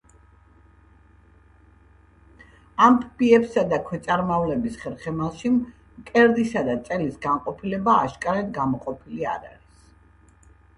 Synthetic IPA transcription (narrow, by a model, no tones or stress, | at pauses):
ampʰbiɛpsad̪akʰwɛt̪sʼaɾmavlɛbisχɛɾχɛmaʃim | kʼɛɾd̪isad̪at̪sʼɛlisɡaɴqʼɔpʰilɛbaːʃkʼaɾɛd̪ɡamɔqʼɔpʰilia̰ɾa̰ɾis